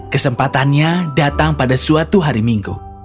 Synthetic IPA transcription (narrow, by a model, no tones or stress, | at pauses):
kəsəmpat̪anɲadat̪aŋpadasuat̪uɦaɾimiŋɡu